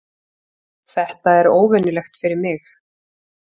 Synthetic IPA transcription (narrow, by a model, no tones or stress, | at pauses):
θɛht̪aɛɾoːwvɛnɪlɛxt̪fɪɾɪɾmɪx